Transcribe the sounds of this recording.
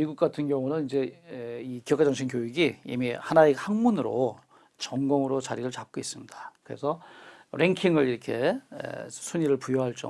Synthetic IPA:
miɡuk͈atʰɯnɡjʌŋunɯnind͡ʑe̞ikijʌk͈ʰad͡ʑʌŋɕʰink̬joiɡiḭmihanaehaŋmunɯɾo̰ | t͡ɕʌŋɡʌŋɯɾot͡ɕaɾiɾɯɭt͡ɕap̚k͈ois͈ɯmɲidakɯɾe̞sʰʌɾe̞ŋkʰiŋɯɾiɾʌkʰe̞̰ḛsʰuɲiɾɯɭpujoɦaɭt͡ɕ͈ʌ

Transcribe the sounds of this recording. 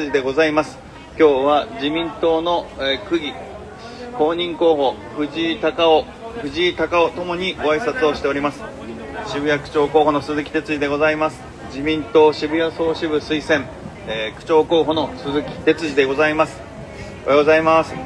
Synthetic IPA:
ɨʑid̪e̞ɡo̞zaimasɨ̥ | kʲo̞ːβad͡ʑimʲĩnt̪o̞ːno̞ekɯ̟ɡʲi | ko̞ːɲ̟ĩŋko̞ːɦo̞ | ɸɯ̟ʑit̪akao | ɸɯ̟ʑit̪akao̞t̪o̞mo̞ɲ̟iɡo̞aisat͡sɨo̞ɕi̥t̪e̞o̞ɾʲimasɨ̥ | ɕibɯ̟jakɯ̟̥t͡ɕo̞ːko̞ːɦo̞no̞sɨzɨkʲi̥t̪e̞t͡sɨʑid̪e̞ɡo̞zaimasɨ̥ | d͡ʑimʲĩnt̪o̞ːɕibɯ̟jaso̞ːɕiβɯ̟sɨisẽ̞ɴ | ekɯ̟̥t͡ɕo̞ːko̞ːɦo̞no̞sɨzɨkʲi̥t̪e̞t͡sɨʑid̪e̞ɡo̞zaimasɨ̥ | oa̰jɡo̞zaimasɨ̥

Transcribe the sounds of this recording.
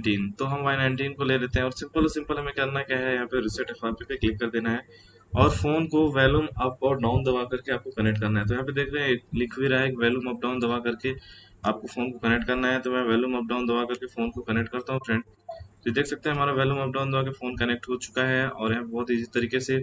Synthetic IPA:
ʈiːnt̪oɦɐ̃mʋaːɪnãɪɳʈiːnkoleːɾeːt̪eɦɛ̃ɔːɾsɪ̃mpəlɔːsɪ̃mpəlɦɐmẽkjɐɾnakjaːɦɛjɐɦãːpeɾɪsəʈɛfaːɾpipeklɪkːɐɾd̪eːnaɦɛː | ɔːɾfoːnkoʋɛːlumɐpɔːɖãːʊnd̪ɐʋaːkɐɾkeaːp̚kokɐnek̚ʈ̚kɐɾnaɦɛ̃t̪ojɐɦãped̪eːkʰɾɐɦɛ̃ːk̚lɪkʰʋiɾaeːkʋɛːljumɐp̚ɖaːʊ̃nd̪ɐʋaːkɐɾke | aːp̚kofoːnkokɐnek̚ʈ̚kɐɾnaɦɛt̪omɛ̃ʋɛːljumɐp̚ɖãːʊnd̪ɐʋaːkɐɾkefoːnkokɐnek̚ʈ̚kɐɾt̪aɦũpɾɛ̃ɳɖ | id̪eːkʰsɐk̚t̪eɦɛɦɐmaːɾaʋɛːluːmɐp̚ɖãːʊ̃nd̪ɐʋaːkefoːnkɐnɛk̚ʈɦot͡ʃʊ̥kaɦɛɔ̰ːɾjɐɦãbɔːt̪iːzit̪ɐɾiːkese

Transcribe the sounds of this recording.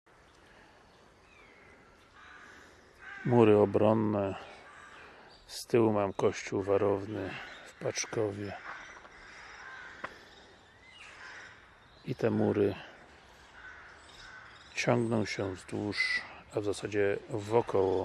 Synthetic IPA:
muɾɘɔbɾɔnːɛ | st̪ɘwmamkɔɕt͡ɕuwvaɾɔvnɘfpat͡ʂkɔvʲjɛ | it̪ɛmuɾɘ | t͡ɕɔŋɡnɔ̃w̃ɕɛvzd̪wuʂavzasad͡ʑɛvɔkɔwɔ

